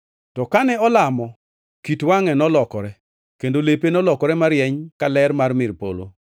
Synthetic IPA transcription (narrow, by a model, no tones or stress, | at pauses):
tɔkanɛɔlamɔ | kitwaŋɛnɔlɔkɔɾɛ | kendolepenɔlɔkɔɾɛmaɾjɛɲkalɛrmarmɪrpo̰lo̰